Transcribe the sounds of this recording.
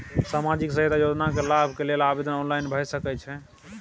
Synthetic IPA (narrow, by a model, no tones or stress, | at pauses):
samad͡ʒiksəɦet̪ajod͡ʒnakelabʱkelelabed̪ənɔnlajnbʱəjsəkɛt͡ʃʰɛ